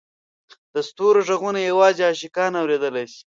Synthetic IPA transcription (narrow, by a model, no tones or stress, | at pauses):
d̪̥ɐst̪uɾoʐɐɣunajawɑːzeɑːʃikɑːnawɾed̪əlajsi̥